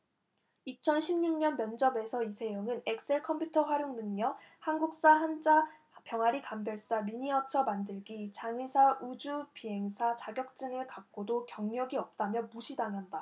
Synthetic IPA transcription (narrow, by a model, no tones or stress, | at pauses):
it͡ɕʰʌnɕʰimɲuŋɲʌnmjʌnd͡ʑʌbe̞sʰʌisʰe̞jʌŋɯne̞k̚s͈e̞ɭkʰʌmpʰjutʰʌɸwaɾjoŋnɯŋɲʌ | hanɡuk̚s͈aɦand͡ʑa | pjʌŋɦaɾikambjʌɭs͈amiɲiʌt͡ɕʰʌmandɯɭɡit͡ɕaŋisʰaʔud͡ʑupiɦe̞ŋsʰat͡ɕaɡjʌk̚t͡ɕ͈ɯŋɯɭkak̚k͈odokjʌŋɲʌɡiʌp̚t͈amjʌmuɕʰidaŋɦanda